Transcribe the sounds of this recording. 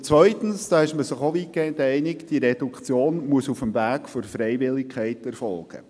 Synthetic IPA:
t͡sʋœʏtən̩sd̥ɑːɪʃməsɪχoʋikɛd̪ɛɪnɪkd̥iəɾɛd̥ukʰt͡sjoːnmuəsufəmvæːkfoɾfɾɛjʋɪlːɪkχɛɪtɛɾfɔlɡ̥ə̰

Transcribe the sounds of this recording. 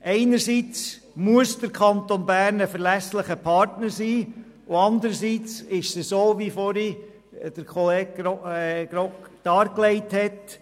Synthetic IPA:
ʔɛɪnəɾsiːt͡s | muəsd̥əɾkʰɑnt̪onbæːɾnəfəɾlæsləχəpʰɑɾtnəɾsiː | ʊɑnd̪əɾəsiːt͡sɪʃsisoːʋifoɾi | d̥əɾkχɔleːɡ̚ɾɡɾokd̥ɑːɾklɛɪthɛt

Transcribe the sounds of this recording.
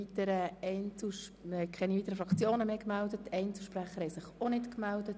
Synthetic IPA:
it̪əɾəɛɪnt͡slʃhɛkʰɛniviːt̪ːəɾəfɾɑkʰt͡sjoːnəmeːkmældətɛɪnt͡sl̩ʃpræχəɾhɛɪsɪχonɪtkmældət

